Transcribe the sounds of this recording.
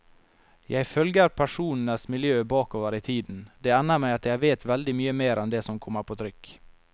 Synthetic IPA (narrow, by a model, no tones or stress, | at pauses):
jʔæɪfœlɡəɾpʰæʂuːnn̩əsmɪljøːbɑːkoːʋəɾɪt̪ʰiːd̪n̩d̪ɛːænːəɾmæɪɑt̪jæɪʋeːt̪ʋɛld̪ɪmyːəmeːɾʔɛnd̪ɛsɔmkʰɔmːəɾpʰoːt̪ʰɾʏkː